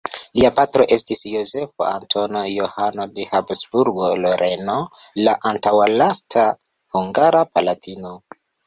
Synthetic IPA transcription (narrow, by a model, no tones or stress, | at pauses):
liapatɾo̞ʔe̞stisjo̞ze̞fo̰a̰ntʰo̞nojohano̞dehapsbuɾɡo̞loɾʔe̞no̞laʔantawalastʰa | huŋɡaɾapalatʰino̞